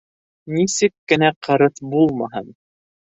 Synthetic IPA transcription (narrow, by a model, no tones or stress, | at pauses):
nisɘkːɘ̆næqʰɤ̆ɾɤθbulˠmɑɦɤ̰n